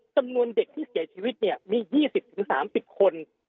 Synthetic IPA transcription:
t͡ɕa˧mnu˧ənde˨˩k̚t̪ʰiː˥˩si˨˩˦ɐt͡ɕʰiː˧wi˦˥t̪̚ni˥˩ɐmiː˧jiː˥˩si˨˩p̚t̪ʰɯ˩˦ŋsa̰ː˩˦msi˨˩p̚kʰo˧n

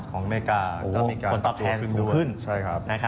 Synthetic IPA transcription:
kʰɔː˩˦ŋmeː˧˩kaː˧ʔoː˨ɔ˥˩miː˧kaː˧˩p̪ɔ˦˥˧ɛː˧kʰɯ˥˩duː˧˩˨kʰɯ˥˩nt͡ɕʰa˥˩jkʰɾa˦˥p̚na˦˥a˦

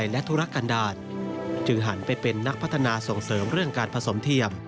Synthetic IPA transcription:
jlɛ˦˥t̪ʰu˦˥ɾa˦˥kːa˧ndaː˧˩t̪̚t͡ɕɯ˧ŋɦa˩˦npa˧jpe˧nːa˦˥k̚pʰa˦˥t̪ʰa˧naː˧so˨˩ŋsɤː˩˦mɾɯ˥˩əŋkaː˧npʰa˧so˩˦mt̪ʰi˧əm

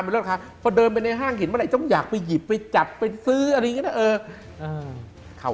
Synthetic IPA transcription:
m˧l̚ːkʰa˦˥˩pʰɔ˧dɤː˧np̬a˧jna˧jɦaː˥˩ŋkʰi˩˦nma˧˥˨a˧˩jt̪ɔ˥˩ŋjaː˨˩k̚pa˧jːi˨˩pːa˧jt͡ɕa˨˩p̚ːa˧jsɯː˦˥ʔa˧ɾa˧jːa˦˥ʔɤː˧ | ʔɤː˧ | kʰa˨˩

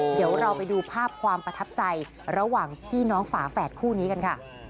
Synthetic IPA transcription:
di˩˦əwɾa˧wpa˧jduː˧pʰaː˥˩p̚kʰwaː˧mpɾa˧t̪ʰa˦˥p̚t͡ɕa˧j | ɾa˧waː˨˩ŋp̪ʰiː˥˩nɔː˦˥ŋfaː˩˦fɛː˨˩t̪̚kʰuː˥˩niː˦˥ka˧nkʰa˥˩

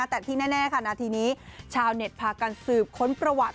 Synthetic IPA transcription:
a˦˥˩t̪ɛː˨˩t̪ʰiː˥˩nɛː˥˩nɛː˥˩kʰa˥˩naː˧t̪ʰiː˧niː˦˥t͡ɕʰaː˧wne˨˩t̪̚pʰaː˧ka˧nsɯː˨˩p̚kʰo˦˥npɾa˧wa˨˩t̪̚

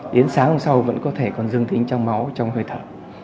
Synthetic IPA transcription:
ɗe˨˦ənsaː˨˦ŋho˧ŋ͡msa˧wvə̰˧˥nkɔ˨˦t̪ʰe˧˩kɔ˨˩nzɨ˧əŋt̪ï˨˦ŋ̟t͡ɕɔ˧wŋ͡mma˨˦wt͡ɕɔ˧wŋ͡mhəː˧jt̪ʰəː˧˩

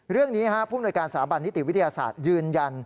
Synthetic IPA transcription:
ɾɯ˥˩əŋniː˦˥ha˦˥ʔpʰuː˥˩mnu˧jkaː˧nsaː˩˦mba˧nːi˦˥i˨˩wi˦˥t̪ʰjaː˧sa̰ː˨˩t̪̚jɯː˧nja˧n

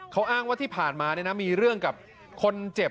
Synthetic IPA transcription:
kʰa˦˥wʔaː˥˩ŋwaː˥˩t̪ʰiː˥˩pʰaː˨˩nmaː˧ni˥˩na˦˥miː˧ɾɯ˥˩əŋka˨˩p̚ | kʰo˧nt͡ɕe˨˩

